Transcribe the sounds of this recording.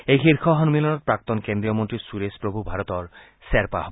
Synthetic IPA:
ejxiɾkʰɔɦɔnmilɔnɔtpɾak̚t̪ɔnkend̪ɾijɔmɔnt̪ɾisuɾespɾobʱubʱaɾɔt̪ɔɹ | seɾpa̰ɦɔb

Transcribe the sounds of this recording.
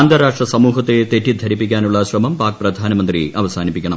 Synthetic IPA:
ɐnd̪ɐɾaːʂʈrɐsɐmuːɦɐt̪ːet̪eʈːid̪ʱɐɾipːikʲːaːnuɭːɐɕrɐmɐmpaːk̚prɐd̪ʱaːnɐmɐnd̪ɾiʔɐʋɐsaːnipːikʲːɐɳɐm

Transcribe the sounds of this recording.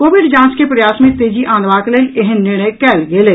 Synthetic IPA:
koːʋɪɖd͡ʒãːnskepɾɐjaːsmẽt̪eːd͡ʒiʔãːnd̪ʋaːkleːlɪɦənːɪɾɳ̃əjkɛːlɡeːleː

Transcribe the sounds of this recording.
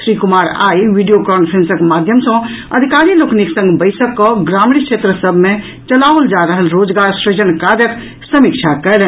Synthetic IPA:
sɾikumaɾa̰jʋiɖijokɔmpʰɾensəkmad̪ʱjəmsə̃ | əd̪ʱikaɾilokniksə̃ŋɡbəɪsəkːɔɡɾaminkt͡ʃʰet̪ɾəsəbʱme | t͡ʃəlaʋəld͡ʒaɾəɦəlɾod͡ʒɡaɾsɾed͡ʒənkaɾjək | səmikt͡ʃʰakɛlen

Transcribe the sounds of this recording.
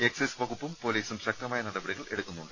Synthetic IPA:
e̞ksesʋɐɣupːumpo̞liːsumɕɐk̚t̪ɐmaːjɐnɐðɐbɐɽiɣɐɭe̞ɽukːunːuɳɖɨ

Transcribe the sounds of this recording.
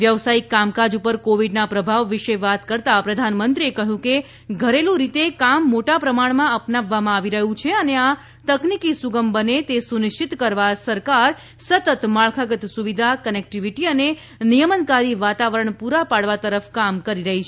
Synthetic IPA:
ʋjəʋsaikːamkad͡ʒupəɾkoʋiɖnapɾəbʱaʋːiʃeʋat̪kəɾt̪apɾəd̪ʱanmənt̪ɾiekəɦũke | ɡʱəɾelũɾit̪ekamːoʈapɾəmaɳmãəpnaʋːamãːʋiɾəɦũt͡ʃʰeənea | t̪əknikisuɡəmbənet̪esunɪʃt͡ʃit̪kəɾʋasəɾkaɾ | sət̪ət̪maɭkʰaɡət̪suʋid̪ʱakənek̚ʈiʋiʈiəne | nijəmənkaɾiʋat̪aʋəɾəɳpuɾapaɽʋat̪əɾəfkamkəɾiɾəɦit͡ʃʰe

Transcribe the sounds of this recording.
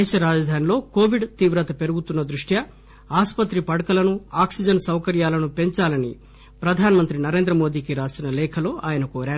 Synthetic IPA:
ɛːʃɐɾaːd͡ʒɐd̪ʱaːnilo̞ːkoːʋiɖt̪iːʋɾɐt̪ɐpe̞ɾuɡut̪unːɐd̪ɾuʂʈjɐ | aːspɐt̪ɾipɐɽɐkɐlɐnuaːksid͡ʒɐnsɐwkɐɾjaːlɐnupe̞ɲt͡ʃaːlɐnḭ | pɾɐd̪ʱaːnɐmɐnt̪ɾinɐɾe̞ːnd̪ɾɐmo̞ːd̪iːkiɾaːsinɐlɛːkʰɐlo̞ːʔaːjɐnɐkoːɾaːɾ

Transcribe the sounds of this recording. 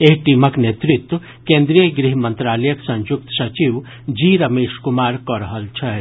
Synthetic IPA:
eɦʈiməknet̪ɾit̪w | kẽːnd̪ɾijəɡɾiɦmɐnt̪ɾaːləjəksɐ̃njuk̚t̪sɐt͡ʃiʋ | d͡ʒiːɾɐmeːʃkumaːɾkɔɾəɦəlt͡ʃʰɐ

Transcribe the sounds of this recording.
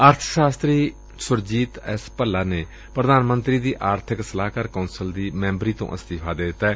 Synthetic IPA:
əɾt̪ʰə̥ʃaːst̪ɾiː | sʊɾd͡ʒiːt̪ɛ̰ːspəlːaːneː | pɾəd̪aːnmənt̪ɾiːd̪iːʔaːɾt̪ʰɪksəlaːkaːɾkaːnsəld̪iːmɛ̃ːmbɾiːt̪õ̰ːʔə̰st̪ɪfʰaːd̪eːd̪ɪt̪ːaɛː

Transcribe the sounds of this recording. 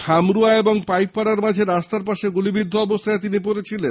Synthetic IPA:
kʰamɾuaeboŋpajk̚paɽaɾmad͡ʑʱeɾast̪aɾpaʃeɡulibid̪ʱːoɔbost̪ʰaet̪inip̬oɾet͡ɕʰilen

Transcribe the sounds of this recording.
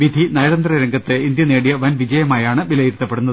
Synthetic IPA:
ʋid̪ʱinɐjɾɐnd̪rɐɾɐŋɡɐt̪ːeind̪jɐneːɽijɐʋɐnʋid͡ʑɐjɐmaːjaːɳɨbilɐjiɾt̪ːɐpːe̞ɽunːɐðɨ

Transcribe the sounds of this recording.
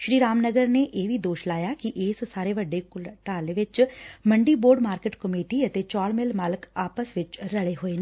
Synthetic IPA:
ʃɾiːɾaːmnəɡəɾneʔjeːʋʱid̪oːʃlaːjakiʔeːssaːɾeʋɐɖːekʊlʈaːlʋɪt͡ʃmə̃ɳɖiboːɾɖmaːɾkeːʈkəmeːʈiɐt̪et͡ʃaːlmɪlmaːləkaːpəsʋɪt͡ʃɾɐɭeɦoːeːn

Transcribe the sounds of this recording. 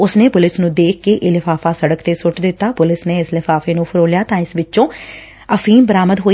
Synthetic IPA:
ʊsneːpʊlɪsnũːd̪eːkʰkeːʔeːlɪfʰaːfaːsəɽəkt̪eːsʊʈd̪ɪt̪ːaːpʊlɪsneːɪslɪfaːfeːnũːpʰəɾoːljaːt̪ãːɪsʋɪt͡ʃːʃõː | əfʰiːmbəɾaːməd̪ɦoː

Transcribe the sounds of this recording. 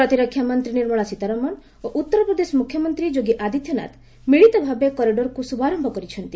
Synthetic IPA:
ɾɔt̪iɾɔkʰːjamɔnt̪ɾiniɾmɔɭɔsit̪aɾɔmɔn | oʔut̪ːɔɾɔpɾɔd̪esɔmukʰjɔmɔnt̪ɾid͡ʒoɡiʔad̪ʱit̪jɔna̰t̪ | miɭit̪ɔbʱabekɔɾiɖɔɾkusubaɾɔmbʱɔkɔɾit͡ʃʰɔnt̪i

